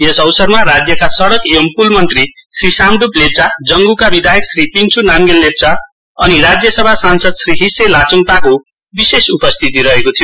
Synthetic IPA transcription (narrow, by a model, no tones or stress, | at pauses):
jesʌwsʌrmaɾad͡zjʌkasʌɽʌkeʌmpulmʌnt̪risrisamɖuplet͡sad͡zʌŋɡukabid̪ʱajeksripiŋt͡sʰunamɡelːet̚t͡sa | ʌniɾad͡zjʌsʌbʱasansʌd̪sriɦiselat͡suŋt̪ako | bisesupʌst̪ʰit̪iɾʌɦekot̪ʰijo